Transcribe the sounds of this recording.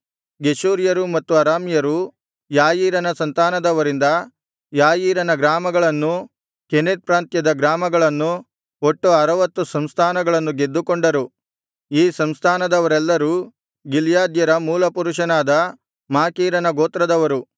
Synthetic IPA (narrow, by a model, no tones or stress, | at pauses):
ɡeʃuːɾjɐɾumɐt̪ːuɐɾaːmjɐɾu | jaːjiːɾɐnɐsɐnt̪aːnɐd̪ɐʋɐɾind̪ɐ | jaːjiːɾɐnɐɡɾaːmɐɡɐɭɐnːu | kened̪̚pɾaːnt̪jɐd̪ɐɡɾaːmɐɡɐɭɐnːu | oʈːuɐɾɐʋɐt̪ːusɐmst̪ʰaːnɐɡɐɭɐnːuɡe̞d̪ːukoɳɖɐɾu | iːsɐmst̪ʰaːnɐd̪ɐʋɐɾɛlːɐɾu | ɡiljaːd̪jɐɾɐmuːlɐpuɾuʂɐnaːd̪ɐ | maːkiːɾɐnɐɡoːt̪ɾɐd̪ɐʋɐɾu